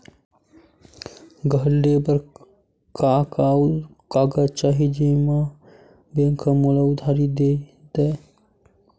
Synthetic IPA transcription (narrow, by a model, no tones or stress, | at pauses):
ɡəlɖebəɾ | kakakaːɡət͡ʃaɦid͡ʒemã | bẽŋkʰəmulaʊd̪ʱaɾid̪ed̪ɛe